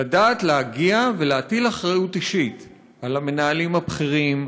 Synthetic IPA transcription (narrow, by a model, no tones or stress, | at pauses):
adaːt̪leaɡiaveleatilaχʁajutiʃit | alame̞naalimhapχiʁim